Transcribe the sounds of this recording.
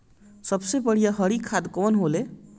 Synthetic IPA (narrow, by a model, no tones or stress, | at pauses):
sʌbsebʌɽ̤ijaɦʌɽikʰad̪konɦole